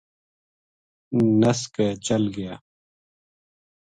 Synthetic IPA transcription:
nəskeːt͡ʃəlɡɪjaː

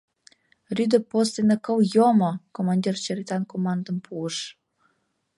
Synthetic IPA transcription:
ryd̪ə̆post̪enəkɤwjomɤkomɑnʲd̪ʲirt͡ɕeɾit̪ɑnkomɑnd̪ə̆mpʰuəʃ

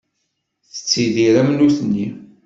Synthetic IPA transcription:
θə̥t͡sːiðiɾæmnuθənːi

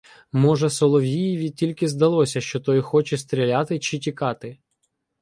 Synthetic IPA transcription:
mɔʒɛsɔlˠɔʋʲijiʋʲitʲilʲkɪzd̪ɐlˠɔsʲɐʃt͡ʃɔt̪ɔjxɔt͡ʃɛst̪ɾʲilʲat̪ɪt͡ʃɪtʲikɑt̪ɪ

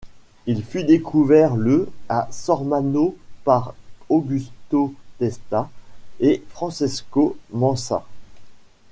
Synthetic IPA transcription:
ilfyd̪ekʰuvɛʁləasɔʁmanopaʁoɡʲyst̪ot̪ɛst̪aefχɑ̃sɛskomɑ̃sa̰

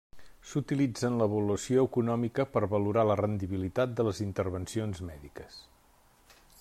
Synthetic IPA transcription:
sut̪ilid͡zənləβuləsioəkunɔmikəpəɾβəluɾalərənd̪iβilit̪at̪̚d̪ələzint̪əɾβənsionzmɛðikəs

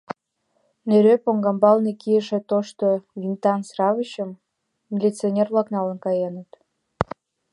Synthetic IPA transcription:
neɾøpoŋɡɑmbɑlnekijəʃet̪oʃt̪ovint̪ɑnsrɑvəɕəmːʲ | ilʲit͡sionʲervlɑknɑlə̆nkɑjenət̪

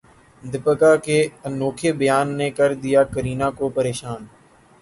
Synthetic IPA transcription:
d̪ɪpəkaːkeːənoːkʰeːbəjaːnːeːkəɾd̪ɪjaːkəɾiːnãːkoːpəɾeːʃaːn

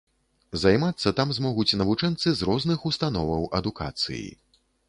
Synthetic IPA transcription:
zajmat̪sːɐt̪amzmɔɣut͡sʲnɐvut͡ʂɛnt̪sɨzrɔznɨxust̪anɔvɐwɐd̪uka̰t̪sɨ̰jḭ

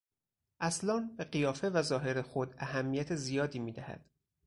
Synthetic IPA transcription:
ʔæslɒːnbe̞ɢijɒːfe̞væzɒːɦe̞ɾexo̞d̪æɦæmːijæt̪ʰezijɒːd̪iːmiːd̪æhæ̰d̪̥

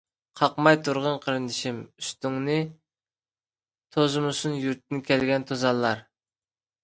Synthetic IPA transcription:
qʰɑqmɑjt̪ʰuɾʁənqʰəɾɨnɪʃimyst̪yŋnɨ | t̪ʰozɨmusunjyɾt̪̚ʰːɪnɪkʲʰɛlɡʲɛnt̪ʰozɑlˠːɑɾ

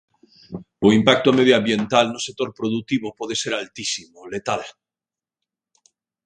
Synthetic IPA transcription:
oimpak̚t̪oameð̞joambjent̪alnosek̚t̪oɾpɾoðuk̚t̪iβopoðeseɾalt̪isimolet̪al

